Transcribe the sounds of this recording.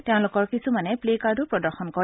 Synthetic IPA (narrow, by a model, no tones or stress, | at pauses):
teʊ̃lʊkɔɹkisumanɛplekaɹdʊpɹɔdɔɹxɔnkɔ